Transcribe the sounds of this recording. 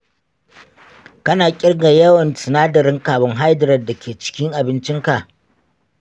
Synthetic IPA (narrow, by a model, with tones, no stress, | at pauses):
kɐ˦naː˨kʲʼɪ˦rɡa˨jɐ˦wɐ˨nsɪ˨naː˦dɐ˨ɾɪ˦ŋkaː˨bɐ˦ŋɦa˦jdɐ˨ɾɐ˨dːa˨kʲeː˨t͡ʃɪ̥˦kʲɪ˦ŋʔa˨bɪ˦nt͡ʃɪ˦ŋka˨ʔ